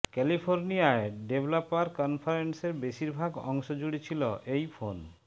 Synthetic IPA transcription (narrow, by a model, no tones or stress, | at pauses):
kɛlipʰoɾnijaeɖeblɔpaɾkɔnpʰaɾenseɾbeʃiɾbʱaɡɔ̰ŋʃod͡ʑuɽit͡ɕʰiloʔejfʰon